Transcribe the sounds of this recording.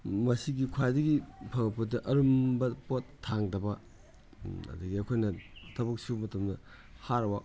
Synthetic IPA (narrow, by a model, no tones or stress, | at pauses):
mɐsiɡikʰwajdɐɡipʰɐŋpɐtɐʔɐɾumbɐpotʰːaŋdɐbɐ | ɐ̰dɐɡiɐkʰojnɐtʰɐbɐk̚sumɐtɐmdɐ | haɾwak̚